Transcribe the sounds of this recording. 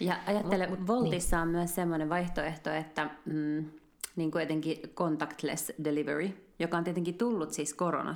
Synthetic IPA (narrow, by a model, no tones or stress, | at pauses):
jɑʔɑjɑt̪ːeleʋolt̪isːɑːmmyæssemːoneʋɑjht̪oeht̪oet̪ːæː | niːŋkuɛt̪eŋkikont̪ɑkt̪lḛsdeliʋḛrijokɑoniet̪eŋkit̪ulːut̪siskoɾo̰nʔɑ̰